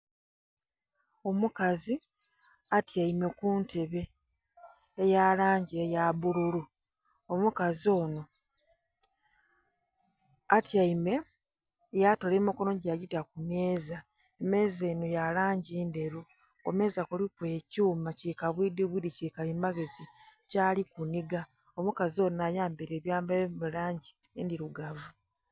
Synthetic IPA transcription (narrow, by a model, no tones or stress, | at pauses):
omukazi | atjaime̞kuːnte̞βe̞ | jalaːɲɟiejaβululu | omukazo̞ːno̞ | atjaime̞ | jato̞leːmukonoɟaɟitak̚umje̞ːza | eme̞ːze̞ːnojalaːɲɟiːnde̞ɾu | kome̞ːzakulikwecuːmacikaβwiːdiβudicekalimaɡe̞zicaːlikuniɡa | omukazio̞ːnajaːmbiɾe̞ːβjaːmbaβulaːɲɟi | endiɾuɡavu